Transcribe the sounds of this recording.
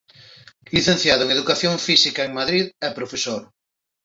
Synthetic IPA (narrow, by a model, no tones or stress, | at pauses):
liθẽn̟θjaðʊeŋeðukaθjoŋfisikɐeŋmaðɾiðɛpɾofesoɾ